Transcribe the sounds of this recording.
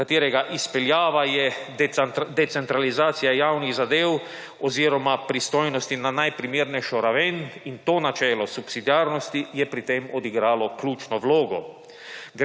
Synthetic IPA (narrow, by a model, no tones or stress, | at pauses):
at̪iːɾɛɡaʔispɛljaːʋajɛ | d̪ɛt̪sɛnt̪ɾalizaːt̪sijajaːwniɣzad̪eːw | ɔziːɾɔmapɾist̪ojnɔst̪inanajpɾimiːɾnɛjʃɔɾaʋenint̪oːnat͡ʃɛːlɔsupsid̪iaːɾnɔst̪ijɛpɾit̪emɔd̪iɡɾaːlɔklʲuːt͡ʃnɔʋloːɡɔ | ɡ